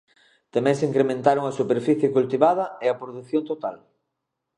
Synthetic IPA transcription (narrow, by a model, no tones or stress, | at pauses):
t̪amɛ̃ŋseiːŋkɾemẽnt̪aɾoŋɐsupeɾfiθjekult̪iβað̞ɐeɐpɾoðuθjont̪ot̪al